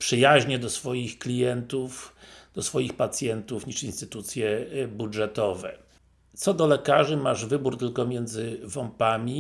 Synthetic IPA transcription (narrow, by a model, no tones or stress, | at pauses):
pʂɘjaʑɲɛd̪ɔsfɔjixklʲijɛnt̪ufd̪̥ɔsfɔjixpat̪sʲjɛnt̪ufɲiʂinst̪ɘt̪ut̪sʲjɛbuʐɛt̪ɔvɛ̰ | t̪sɔd̪ɔlɛkaʐɘmaʐvɘbuɾt̪ɘlkɔmʲjɛnd̪zɘvɔmpamʲi